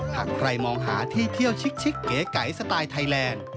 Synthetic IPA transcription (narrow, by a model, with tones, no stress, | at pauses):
ha˨˩ŋkʰɾa˧jmɔː˧ŋɦa̰ː˨˩˦t̪ʰiː˧˩t̪ʰi˧˩əwt͡ɕʰi˦˥k̚t͡ɕʰi˦˥kːe˨˦ka˨˩jsa˧t̪aː˧jt̪ʰa˧jlɛː˧n